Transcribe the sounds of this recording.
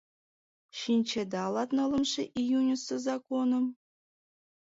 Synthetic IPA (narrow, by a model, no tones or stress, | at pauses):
ɕinʲt͡ɕed̪ɑlˠɑt̪nɤ̆lˠɤ̆mʂĕʔijunʲusːɤzɑkonɤ̆m